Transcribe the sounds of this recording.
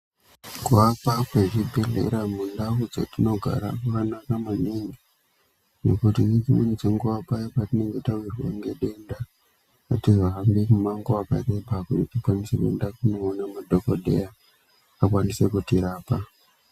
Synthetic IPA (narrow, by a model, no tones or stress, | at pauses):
kuapakweʐibʱelḛɾamundaud͡za̰tino̞ɡʱa̰ɾa̰ʋanakamaniŋɡi | nḛkutinet͡ʃimunid͡zeŋɡuapajapatineŋɡetawirwḛŋɡeɗe̞nda | atiʐaɦambimumaŋɡoakare̞bakutitikwanisekuḛndakuno̞ːnamadʱokoɗḛjaː | kwanise̞kutiɾaːpa